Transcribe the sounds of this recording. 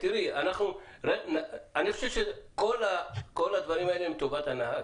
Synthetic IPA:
t̪iʁianaχnuʁenaaniχoʃevʃeko̞lako̞lad̪vaʁimaelemit̪ovat̪anaha

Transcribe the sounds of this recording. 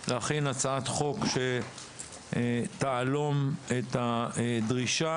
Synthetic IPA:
leaχinat͡saat̪χo̞kʃe | t̪aalo̞met̪aedʁiʃa

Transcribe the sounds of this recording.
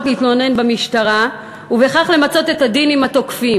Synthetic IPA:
nit̪lo̞ne̞nbemiʃtaʁa | uve̞χaχle̞mat͡so̞t̪e̞tad̪inimato̞kfi

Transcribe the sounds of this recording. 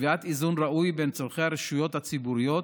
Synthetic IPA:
viat̪izunɾaʔujbent͡sovχehaɾiʃujot̪hat͡sibuɾijot̪

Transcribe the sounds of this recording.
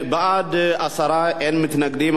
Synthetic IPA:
bəad̪asɐɾajanmɨt̪nəɡd̪em

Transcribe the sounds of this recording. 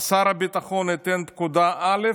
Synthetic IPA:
saɾabit̪aχonit̪ɛnt̪̚kud̪aʔale

